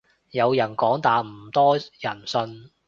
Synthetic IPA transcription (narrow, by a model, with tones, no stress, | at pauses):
jɐ˨˧wjɐ˨˩nkɔː˨˥ŋt̪aː˨˧m̩˨˩t̪ɔː˥jɐ˨˩nsɵ˧n